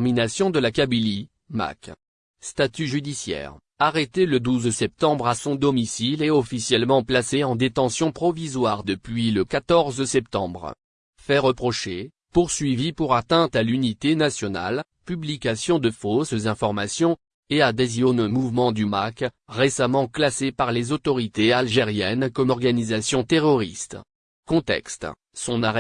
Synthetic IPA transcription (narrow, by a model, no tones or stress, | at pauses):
minasjɔ̃d̪əlakabili | ma̰k | st̪at̪yʒyd̪isjɛ̰ːʁ | aʁet̪eləd̪uzsɛp̚t̪ɑ̃bʁasɔ̃d̪ɔmisileɔfisjɛlmɑ̃plaseɑ̃d̪et̪ɑ̃sjɔ̃pχɔvizwaʁd̪əpɥiləkat̪ɔʁzsɛp̚t̪ɑ̃bʁ | fɛʁəpχɔʃe | puʁsɥivipuʁat̪ɛ̃t̪alynit̪enasjɔna̰l | pyblikasjɔ̃d̪əfoszɛ̃fɔʁmasjɔ̃ | ead̪ezjɔnmuvmɑ̃d̪ymak | ʁesamɑ̃klasepaʁlezot̪ɔʁit̪ealʒeʁjɛnkɔmɔʁɡanizasjɔ̃t̪eʁɔʁḭst̪ | kɔ̃t̪ɛ̰kst̪ | sɔ̃naʁɛ